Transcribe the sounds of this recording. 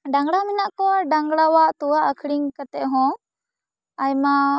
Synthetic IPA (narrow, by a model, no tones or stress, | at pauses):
ɖaŋɡɽaminaʔkɔɖaŋɡɽawaʔt̪uwaʔəkʰɽiŋkət̪ɛʔɦɔ̃ | ajma